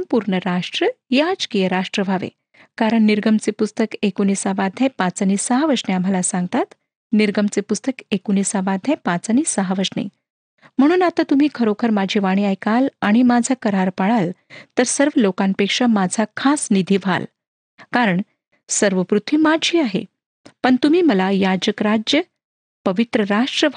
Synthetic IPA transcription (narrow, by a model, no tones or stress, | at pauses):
mpuɾɳəɾaʂʈɾəjad͡zkijəɾaʂʈɾəʋʱaʋḛ | kaɾəɳːiɾɡəmt͡sepust̪əkekoniːsaʋad̪ʱjãpãt͡səniːsəɦəʋəsɳeam̤alasãŋɡ̚t̪at̪ | niɾɡəmt͡sepust̪əkekoniːsaʋad̪ʱjapãt͡səniːsəɦəʋəsɳḛ | m̤əɽ̃uːnat̪at̪um̤iːkʰəɾokʰəɾmad͡ʑʱiːʋaɽ̃iajkalaɽ̃imad͡zʱakəɾaɾpaɭalt̪əɾsəɾʋəlokanpekʂamad͡zʱakʰasnid̪ʱiːʋʱa̰l | kaɾəɳ | səɾʋəpɾut̪ʋiːmad͡ʑiːaɦḛ | pəɳt̪um̤iːməlajad͡ʑəkɾad͡ʑjə | pəʋit̪ɾəɾaʂʈɾəʋ